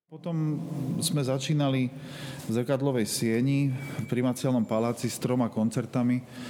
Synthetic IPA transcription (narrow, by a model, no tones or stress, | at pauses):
pɔt̪ɔmzmɛzat͡ʃiːnalizrkad̪lɔʋɛjsɪɛɲipɾimat͡sɪalnɔmpalaːt͡sist̪ɾɔmakɔnt͡sɛɾt̪ami